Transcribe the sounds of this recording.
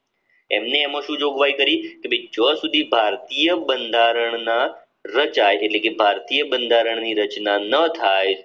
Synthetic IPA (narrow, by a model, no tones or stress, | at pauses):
ɛ̰mneːmãʃũd͡ʒoɡʋaikəɾikebed͡ʒəsud̪ʱibʱaɾt̪ijəbənd̪ʱaɾəɳna | ɾət͡ʃajeʈlekebʱaɾt̪ijəbənd̪ʱaɾəɳniɾət͡ʃnanət̪ʰaj